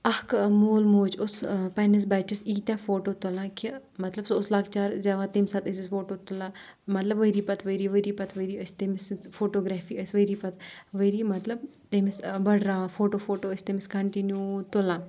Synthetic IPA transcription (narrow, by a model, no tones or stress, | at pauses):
ɐhkmoːlmoːt͡ʃʊspɐnɐs̬baːt͡ʃisiːt̪ʲãfoːʈoːt̪ʊlãːkʰi | mɐt̪lɐbsʊslaːɡt͡ʃaːɾzʲaːʋaːt̪emsɐt̪ɐsisfoːʈoːt̪ʊlãː | mɐt̪lɐbʋəjɾiːpɐt̪ʰʋəɾiːʋəɾiːpɐt̪ʰʋɐɾiːɐst̪emisfoːʈoːɡɾaːfiːəsʲʋəjɾiːpɐt̪ʋəɾiːmɐt̪lɐb̚ | t̪emisbɐɽɾaːʋafoːʈoːfoːʈoːɐsʲt̪emiskɐɳʈinjuːt̪ʊlãː